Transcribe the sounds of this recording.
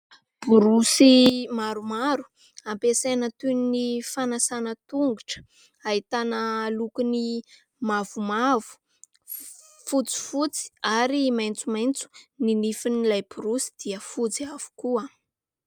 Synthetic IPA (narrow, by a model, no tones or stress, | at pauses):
b̥uɾusimaɾumaɾu̥ | ampesenət̪unnifanasanət̪uŋɡuʈ͡ʂə̥ | aɦit̪anəlukuni | mavumavu̥ | fut͡si̥fut͡si̥aɾimajnt͡sumajnt͡su̥ninifinilajb̥uɾusi̥d̪̥iəfut͡siav̥u̥kua